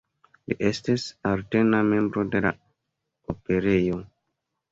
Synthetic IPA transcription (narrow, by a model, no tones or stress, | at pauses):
lḭʔe̞stisaɾte̞name̞mbɾo̞de̞la̰ | ope̞ɾe̞jo̞